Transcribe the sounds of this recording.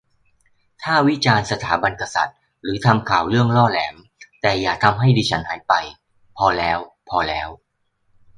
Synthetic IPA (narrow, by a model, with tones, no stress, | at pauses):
t̪ʰaː˥˩wi˦˥t͡ɕaː˧nsa˧t̪ʰaː˩˦ba˧nka˧sa̰˨˩t̪̚ | ɾɯː˩˦t̪ʰa˧mkʰaː˨˩wɾɯ˥˩əŋlɔː˥˩lɛː˩˦m | t̪ɛː˨˩jaː˨˩k̚t̪ʰa˧mɦa˥˩jdiː˧t͡ɕʰa˦˥nhaː˩˦jpa˧j | pʰɔː˧lɛː˦˥w | pʰɔː˧lɛː˦˥w